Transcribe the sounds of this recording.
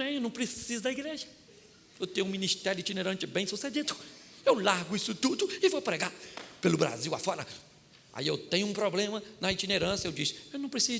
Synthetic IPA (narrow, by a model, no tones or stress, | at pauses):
ɛ̃ewnɐ̃w̃pɾesizʊd̪ɐiɡɾeʒɐ | ewt̪ẽj̃ɲʊũmĩnist̪ɛɾʊɪit͡ʃineɾɐ̃nt͡ʃɪbẽj̃sused͡ʒid̪ʊewlaɾɡʊisʊt̪ud̪ʊɪvowpɾeɡapelʊbɾa̰ziwa̰fɔɾɐ | a̰iewt̪ẽjɲʊũpɾoblẽmɐnɐit͡ʃineɾɐ̃sjɐewd͡ʒisɪ̥ewnɐ̃w̃pɾesiz